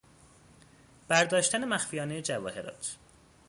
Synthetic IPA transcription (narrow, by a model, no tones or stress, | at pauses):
b̥æɾd̪ɒːʃt̪æne̞mæxfijɒːnejed͡ʒævɒ̰ːhe̞ɾɒ̰ːt̪ʰ